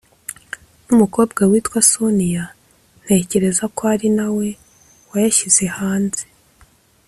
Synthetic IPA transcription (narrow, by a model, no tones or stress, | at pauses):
numuko̞ːb̚ɡawiːtkwasonija | n̥he̞ːce̞ɾe̞zakoaɾinawe̞ | wajaʃiz̥e̞haːnze̥